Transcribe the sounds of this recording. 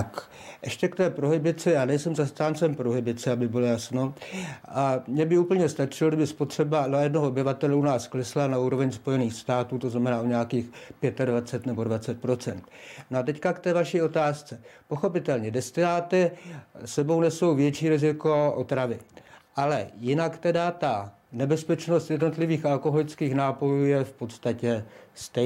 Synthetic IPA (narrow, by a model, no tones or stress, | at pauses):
k | ʔɛʃcɛkt̪ɛːpɾo̞ɦɪbɪt͡sɪjaːnɛjsɛmzast̪aːnt͡sɛmpɾoɦɪbɪt͡sɛabɪbɪlo̞jasno̞ʔamɲɛbɪuːpl̩ɲɛst̪at͡ʃɪlodɪbɪspot̪r̥ɛbanoajɛdno̞ɦoobɪvat̪ɛlɛunaːsklɛslanauːɾo̞vɛɲspo̞jɛniːxst̪aːt̪uːt̪o̞znamɛnaːʔoɲɛakiːxpjɛt̪advat͡sɛt̪nɛbo̞dvat͡sɛt̪̚pɾo̞t͡sɛ̰nt̪noat̪ɛckakt̪ɛːvaʃiːo̞t̪aːst͡sɛpo̞xo̞pɪt̪ɛlɲɛdɛst̪ɪnaːt̪ɪsɛbo̞wnɛso̞wvjɛt͡ʃiːɾɪzɪko̞ʔo̞t̪ɾavɪʔalɛ̰jɪnakt̪ɛdat̪a | nɛbɛspɛt͡ʃno̞st̪jɛdno̞t̪lɪviːxalko̞ɦo̞lɪt͡skiːxnaːpo̞juːjɛfpo̞t̪st̪acɛst̪ɛ